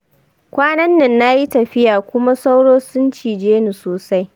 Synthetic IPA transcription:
kʷaː˦nɐ˦nːɪ˨nːa˦ji˦tɐ˨ɸɪ˦jaː˨kʷʊ˦ma˦sa˦wɽoː˦sʊ˦nt͡ʃiː˨d͡ʒeː˦ni˨soː˨sa˦j

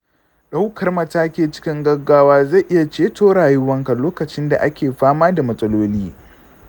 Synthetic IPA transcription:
ɗa˦wkʰɐ˨rmɐ˨taː˦kʲeː˨t͡ʃɪ̥˦kʲɪ˦ŋɡɐ˦ɡːaː˦waː˦za˦˨ʔɪ˦ja˨t͡ʃeː˦toː˦ɽaː˨jʊ˦wɐ˦ŋka˨loː˦kɐ˨t͡ʃɪ˦nda̰˨ʔa˦kʲʰeː˨ɸaː˦maː˦da˨mɐ˨sʼɐ˦loː˦liː˦

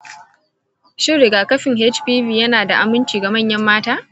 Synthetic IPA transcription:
ʃɪ˦ɽɪ˨ɡaː˨kɐ˦ɸɪ˨ŋɦe˦t͡ʃɸiː˦ɸiː˨jɐ˦naː˨da˨ʔa˨mɪ˦nt͡ʃiː˨ɡa˨mɐ˦˨ɲjɐ˦mːaː˦taː˦

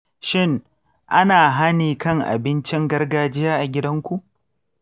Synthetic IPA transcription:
ʃɪ˦˨ŋ | ʔa˦naː˨ɦa˦niː˨kɐ˦˨ŋʔa̰˨bɪ˦nt͡ʃɪ˦ŋɡɐ˦rɡaː˨d͡ʒɪ˦jaː˦ʔa˨ɡʲɪ˦dɐ˦ŋkʷu˨ʔ

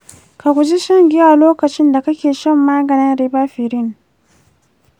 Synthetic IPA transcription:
ka˨kʷu˨d͡ʒi˦ʃɐ˦ŋɡʲi˦a˨loː˦kɐ˨t͡ʃɪ˦nda˨kɐ˦kʲeː˨ʃɐ˦˨mːaː˦ɡɐ˨nɪ˦nɾiː˦baː˦ɸɪ˨ɾɪ˦˨n

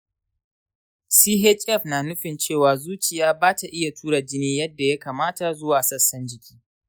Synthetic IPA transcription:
siː˦ɦɛ˦t͡ʃʼɛ˦˨ɸnaː˨nʊ˦ɸɪ˨nt͡ʃeː˦˨waː˨zuː˦t͡ʃɪ˨jaː˦baː˦ta˨ʔɪ˦ja˨tʰuː˦ɽa˨d͡ʒɪ˦niː˦jɐ˦dːa˨ja˦kaː˨maː˦ta˨zʊ˦waː˨sɐ˦˨sːɐ˦nd͡ʒɪ˨kʲi̥ː˦

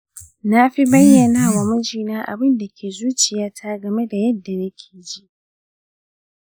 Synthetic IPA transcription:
na˦ɸi˦bɐ˦jːɐ˨naː˦wa˨mʊ˦d͡ʒiː˨naː˦ʔa̰˨bɪ˦nda˨kʲʰeː˨zuː˦t͡ʃɪ˨jaː˦tʰaː˦ɡɐ˨me˦da˨jɐ˦dːa˨nɐ˦kʲʰeː˨d͡ʒi˦ʔ

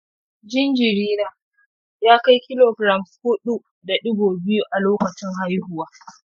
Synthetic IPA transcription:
d͡ʒɪ˦nd͡ʒɪ˨ɾiː˦ɾaː˨ | jaː˦ka˦jkʲɪ˦loː˨ɡɾɐ˨mshʊ˦ɗu˨ | da˨ɗʊ˦ɡoː˨bɪ˦ju˦ʔa˨loː˦kɐ˨t͡ʃɪ˦ŋɦa˦jhʊ˨waː˦

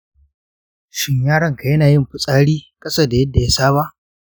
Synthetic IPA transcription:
ʃɪ˦ɲjaː˦ɽɐ˨ŋka˨jɐ˦naː˨jɪ˦˨mɸʊ˦sʼaː˦ɽiː˦kʼɐ˦sɐ˦da˨jɐ˦dːa˨ja˦saː˦βa˦ʔ

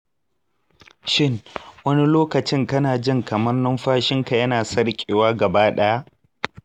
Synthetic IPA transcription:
ʃɪ˦ŋwɐ˦ni˦loː˦kɐ˨t͡ʃɪ˦ŋkɐ˦naː˨d͡ʒɪ˦ŋkɐ˨mɐ˦rnɔ˦mɸaː˦ʃɪ˦ŋka˨jɐ˦naː˨sɐ˦rkʲʼeː˨waː˦ɡɐ˨baː˦ɗɐ˦ja˦ʔ

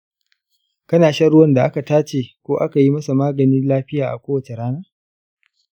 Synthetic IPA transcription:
kɐ˦naː˨ʃɐ˦ɽʊ˦wɐ˦nda˨ʔa˦ka˨taː˦t͡ʃeː˨kʷoː˦ʔa˦ka˨ji˦mɐ˦sa˨maː˦ɡɐ˨ni˦nlaː˦ɸɪ˦jaː˨ʔa̰˨kʷoː˦wɐ˨t͡ʃe˨ɽaː˦naː˦

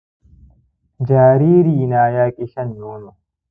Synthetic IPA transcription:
d͡ʒaː˨ɾiː˦ɾiː˨naː˨jaː˦kʼɪ˦ʃɐ˦njoː˦no˨

